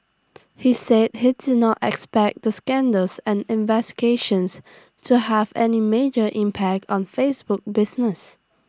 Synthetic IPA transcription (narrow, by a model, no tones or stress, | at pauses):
hised̚hidɪnɔtɛ̰kspɛk̚d̪əskɛ̃ndəlsɛ̃nɪ̃nvɛsti̥ɡeʃə̃ns | tʰuhɛvɛ̰nimed͡ʒəʔĩmpʰæk̚tɔ̃nfesbʊk̚bɪsnəs